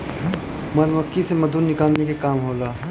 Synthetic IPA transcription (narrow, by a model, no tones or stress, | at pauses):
mɐnʋɐkːisemɐd̪uːɾnɪkaːlnekekaːmɦoːlaː